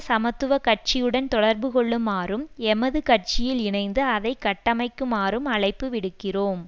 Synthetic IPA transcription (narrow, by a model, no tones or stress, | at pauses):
sɐmɐt̪ːɯʋɐkɐʈ̚t͡ʃɪjɯɽɐnt̪ɔɽɐɾbɯkɔɭːɯmaːrɯmɛmɐðɯkɐʈ̚t͡ʃɪjɪlɪɳɐɪnd̪ɯɐðɐɪkːɐʈːɐmɐɪkːɯmaːɾɯmɐɭɐɪpːɯʋɪɽɯkːɪroːm